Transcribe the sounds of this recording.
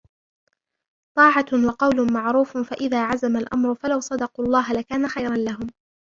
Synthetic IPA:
t̪ˤɑːʕawɑqɑwlʊmaʕɾuːffaʔɪðaːʕazamalʔamɾʊfalawsˤɑd̪ɑquːɑlˤːɑːɦalakaːnaxajɾˤɑnlaɦʊm

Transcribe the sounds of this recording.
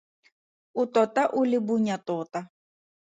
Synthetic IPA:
ut̪ɔt̪aʔulʲɪbuɲʲat̪ɔt̪a

